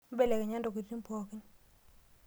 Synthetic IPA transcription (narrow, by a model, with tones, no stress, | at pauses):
be˦˨le˨ke˨ɲa˦ndo˨ki˨ɾi˦mpɔ˨kɪ˦ɲ